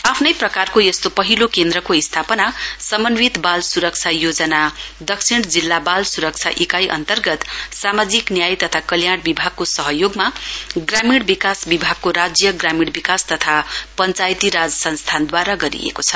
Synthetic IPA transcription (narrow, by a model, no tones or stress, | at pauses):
apʰnʌjprʌkarkojʌst̪opʌɦilokend̪ɾʌkoist̪ʰapʌnasʌmʌnwit̪balsuɾʌk̚t͡sʰajod͡zʌnad̪ʌksʰiɽ̃d͡zilːabalsuɾʌk̚t͡sʰa̰ʔikajʔʌ̰nt̪ʌrɡʌt̪samad͡ziknjajt̪ʌt̪ʰakʌljaɽ̃bibʱaɡ̚kosʌɦʌjoɡmaɡramiɽbikasbibʱaɡ̚koɾad͡zjʌɡramiɽbikast̪ʌt̪ʰapʌnt͡sajt̪iɾad͡zʌsʌnst̪ʰand̪waɾaɡʌɾḭḛkot͡sʰʌ̥